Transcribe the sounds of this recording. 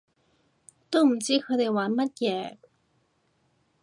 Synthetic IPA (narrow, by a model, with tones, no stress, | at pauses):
t̪o˥m̩˨˩t͡siː˥kʰɤ˨˧˥d̪e˨˩jwaː˨˥nmɐ˥t̚jɛː˨˩